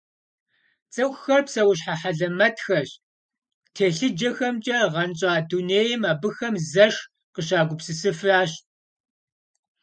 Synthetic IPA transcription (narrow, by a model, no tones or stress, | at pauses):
t͡sʼɨxxɐrpsɐwʊɕ̬ħaħaɮɐmɐtxɐɕ | tʰeːɬɨd͡ʒɐxɐmt͡ʃʼɐʁɐnt͡ʃʼaːduneːjɪmaːbɨxɐmzɐʂ | qəɕaːɡʷʊpsɨsɨfraːɕ